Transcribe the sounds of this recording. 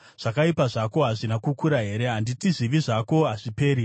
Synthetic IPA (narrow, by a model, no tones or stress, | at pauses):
ʐ̥akaipaʐako̞ɦaʐinakukuɾaɦe̞ɾe̞ɦanditiziʋiʐako̞ɦaʐipe̞ːɾi